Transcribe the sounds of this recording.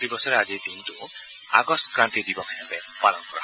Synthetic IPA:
ɾibɔsɔɾead͡ʒid̪int̪u | a̰ɡɔstkɾant̪id̪ibɔki̥sambe | malɔŋkuɾa̰

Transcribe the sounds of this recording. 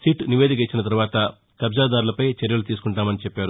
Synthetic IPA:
siːʈniʋed̪ik̬it͡ʃːinɐt̪ɐɾuʋaːt̪ɐ | k̪ɐbd͡ʒaːd̪aːɾulɐpɐjt͡ʃeɾjɐlut̪iːsu̥kuɳʈaːmɐnit͡ʃɛpːaːɾu

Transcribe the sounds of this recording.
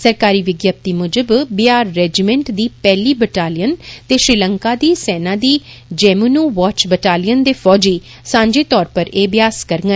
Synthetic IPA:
səɾkaːɾiːʋɪɡjaːp̚t̪iːmʊd͡ʒəbbɪjaːɾːɛːd͡ʒimɛ̃ɳʈd̪iːpɛːliːbəʈaːlijənt̪eːʃɾɪləŋkaːd̪iːsɛːnãːd̪iː | d͡ʒɛːmunuːʋaːt͡ʃbəʈaːlijənd̪eːpʰɔːd͡ʒiː | sãːɲd͡ʒeːt̪ɔːɾpəɾeːbɪjaːskəɾŋɡə

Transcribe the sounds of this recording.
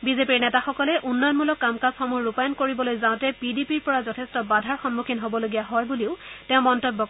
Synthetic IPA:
bizepiɹnɛtaxɔkɔlɛʔunːɔjɔnmulɔkːamkasxɔmuɹupajɔnkoɹibɔlojzãtɛpidipiɹpɔɹazɔtʰɛstɔbadʱaɹxɔnmukʰinɦobɔloɡijaɦɔjbuliʊtɛ̃ʊmɔntɔbːɔk

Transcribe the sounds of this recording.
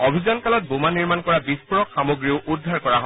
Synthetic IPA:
obʱizɔnkalɔt̚bomaniɹmankɔɹabispuɹɔkxamoɡɹiʊʔudʱːaɹkɔɹaɦɔ

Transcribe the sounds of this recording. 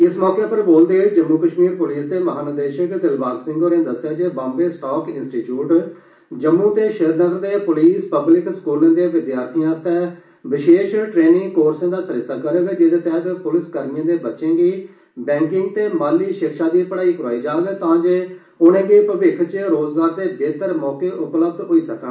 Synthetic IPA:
ɪsmɔːkeːpəɾboːld̪eːd͡ʒəmːuːkəʃmiːɾpʊliːsd̪eːməɦaːnəd̪eːʃəkd̪ɪlbaːɡsɪ̃ŋɡoːɾẽːd̪əsjaːd͡ʒeːbãːmbeːsʈɔːkɪnsʈiːʈjuːʈ | d͡ʒəmːũːt̪eːʃeɦd̪nəɡəɾd̪eːpʊliːspəblɪkskuːlãːd̪eːʋɪd̪jaːɾt̪ʰijãːst̪ɛː | ʋɪʃeːʃʈɾeːnɪ̃ŋkoːɾsãːd̪aːsəɾɪsaːkəɾeːɡd͡ʒed̪eːt̪ɛːt̪ːpʊlɪskəɾnɪjãːd̪eːbətːʃẽːɡiː | bɛ̃ːŋkɪ̃ŋɡ̚t̪eːmaːlːiːʃɪkʃaːd̪iːpəɽaːiːkʊɾaːiːd͡ʒaːɡt̪ãːd͡ʒeː | ʊnẽːɡiːpəʋɪkʰt͡ʃəɾoːzɡaːɾd̪eːbeːt̪əɾmɔːkeːʔʊpləbd̪ɦoːiːsəkə̃

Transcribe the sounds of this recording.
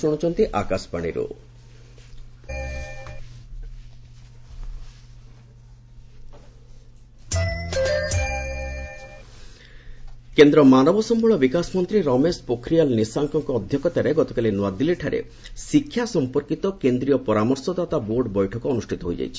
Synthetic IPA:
oɽ̃ɔt͡ʃʰɔnt̪iʔakaspaɽ̃ḭɾo̰ | kend̪ɾɔmanɔbɔsɔmbɔɭɔbikasmɔnt̪ɾiɾɔmespokʰɾijalnisaŋkɔŋkɔːd̪ʱjɔkɔt̪aɾeɡɔt̪ɔkalinwad̪iliʈʰaɾḛ | sikʰːjasɔmpɔɾkit̪ɔkend̪ɾijɔpɔɾamɔɾsɔd̪at̪aboɾɖbɔjʈʰɔkɔːnusʈʰit̪ɔɦojd͡ʒa̰jt͡ʃʰi̥

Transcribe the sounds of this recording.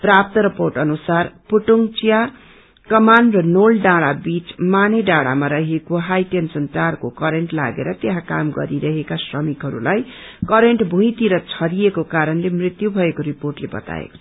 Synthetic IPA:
prap̚t̪ʌɾʌporʈʌnusarpuʈuŋt͡sija | kʌmanrʌnolɖaɽabit͡smaneɖaɽa̰maɾʌɦekoɦajʈensʌnt̪arkokʌɾeɳʈla̰ɡḛɾʌt̪eɦãkamɡʌ̰ɾiɾʌɦekasrʌmikɦʌɾṵlaj | kʌɾeɳʈbʱũĩt̪iɾʌt͡sʰʌɾijekokaɾʌnlemrit̪jubʱʌekoɾiporʈlebʌ̰t̪a̰ḛko̥t͡sʰʌ̥

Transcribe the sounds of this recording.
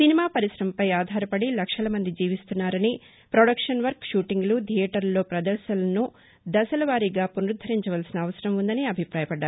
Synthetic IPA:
sinimaːpɐɾisɾɐmpɐjaːd̪ʱaːɾɐpɐɽilɐkʂɐlɐmɐnd̪id͡ʒiːʋist̪unːaːɾɐni | pɾoɽɐkʂɐnʋɐɾkʃuːʈiŋɡlud̪ʱijɛʈɐɾloːpɾɐd̪ɐɾʃɐlɐnu | d̪ɐsɐlɐʋaːɾiːɡaːpunɾud̪ʱːɐɾiɲt͡ʃɐʋɐlsinɐːʋɐsɐɾɐmund̪ɐniɐbʱipɾaːjɐpɐɖːaːɾu

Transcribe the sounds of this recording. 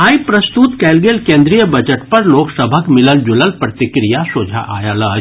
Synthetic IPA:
aːipɾɐst̪ut̪kɛːlɡelkẽːnd̪ɾijəbɐd͡ʒəʈpɐɾloːksəbʱəkmɪləld͡ʒʊləlpɾət̪ɪkɾijasoːd͡ʒʱa̰ʔa̰ːjaːləːd͡ʒ

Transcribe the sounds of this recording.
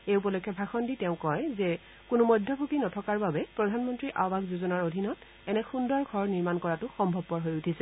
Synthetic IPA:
eup̬ɔlojkʰːjɔbʱaxɔnditɛʊ̃kɔjzɛ | kʊnʊmɔjdʱɔbʱukinɔtʰɔkaɹbabɛpɹɔdʱanmɔntɹiʔabaɡzuzɔnaɹodʱinɔt | ɛnɛxundɔɹɡʱɔɹɔniɹmankɔɹatʊxɔmbʱɔb̚pɔɹɦojutʰisɛ

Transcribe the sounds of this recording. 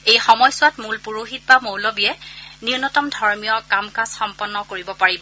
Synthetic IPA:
ejxɔmɔjsʊatmulpuɹoɦit̚bamowlobiɛniʊnɔtɔmdʱɔɹmijɔkamkasxɔmpɔnːɔkoɹibɔpaɹibɔ

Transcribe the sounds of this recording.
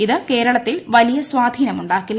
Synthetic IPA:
iðɨke̞ːɾɐɭɐt̪ːilʋɐlijɐswaːd̪ʱiːnɐmuɳɖaːkːilː

